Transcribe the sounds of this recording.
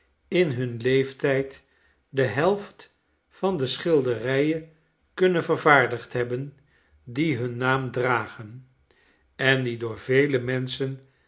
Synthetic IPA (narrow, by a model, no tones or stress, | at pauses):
ɪnɦɵnlejftɛjt | dəɦɛlˠft | fɑndəsχɪlˠdərɛjə | kɵnənvəɹvaːɹdəχtɦɛbən | diɦɵnːaːmdraːχən | ɛndidʊːɹvejləmɛnsən